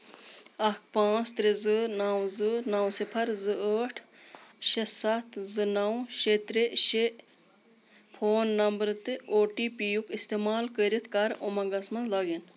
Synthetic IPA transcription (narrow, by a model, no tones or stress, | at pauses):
ɐkʰpãːt͡st̪ɾezɨnawzɨnɐwsipʰɐɾzɨəːʈʰ | ʃesɐt̪ʰzɨnɐwʃet̪ɾeʃe | pʰoːnːɐmbɾt̪ɨoːʈipijukist̪emaːlkəɾit̪ʰkɐɾomɐɡɐsmɐnlɐːɡin